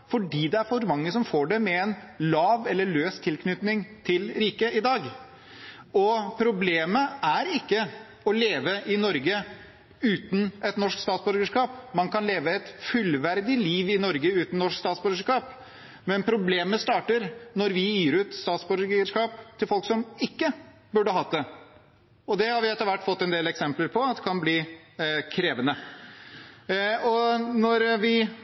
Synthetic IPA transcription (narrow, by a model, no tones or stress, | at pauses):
fɔɖiːd̪ɛæɾfɔɾmɑŋːəsɔmfoːɖɛmɛɛn | lɑːʋɛlːəɭøːst̪ʰːɪlkʰnʏt̪nɪŋt̪ʰɪlɾiːkəɪd̪ɑːɡ | ɔpʰɾʊbleːməæɾɪkːə | ɔleːʋəʔɪnɔɾɡə | ʉːt̪n̩ɛt̪nɔʂkst̪ɑːt̪sbɔɾɡəʂkɑːpmɑnkʰɑnleːʋəɛt̪fʉlʋæɾd̪ɪliːʋɪnɔɾɡəʉːt̪n̩nɔʂkst̪ɑːt̪sbœɾɡəʂkɑːp | mɛnpʰɾʊbleːməst̪ɑːʈəɾnɔɾʋɪjiːɾʉːt̪st̪ɑːt̪sbʉɾɡəʂkɑːp̚t̪ʰɪlfɔlksɔmɪkːə | bʉɖəɦɑt̪̚d̪ɛ | ɔd̪ɛhɑɾʋɪɛt̪ːəɾʋæʈːfɔt̪ːɛnd̪eːlɛksɛmpləɾpʰɔɑd̪ɛkʰɑnbliː | kʰɾeːʋənə | ɔnɔɾʋɪ